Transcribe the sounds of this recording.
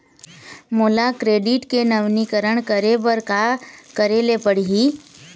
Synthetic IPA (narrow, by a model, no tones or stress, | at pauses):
moːlakɾeːɖɪʈkenəʋnikəɾəɽ̃kəɾebəɾkakəɾelepəɽ̤iɦiː